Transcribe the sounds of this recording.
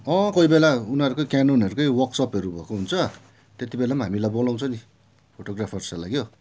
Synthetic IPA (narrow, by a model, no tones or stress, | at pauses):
ʌ̃koibelaunʌɾukʌjkanonɦʌɾukʌjwʌksʌpɦʌɾubʱʌkoɦunt͡sʰʌ | t̪et̪ibelamaɦamilajbolãw̃t͡sʰʌni | pʰoʈoɡrapʰʌrsalaɡjo